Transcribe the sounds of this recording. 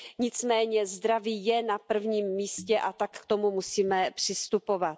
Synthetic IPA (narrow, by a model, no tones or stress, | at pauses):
ɲɪt͡smɛːɲɛzd̪ɾaviːjɛnapr̩vɲiːmːiːscɛʔat̪akkt̪omumusiːmɛpr̝̥ɪst̪upo̞vat̪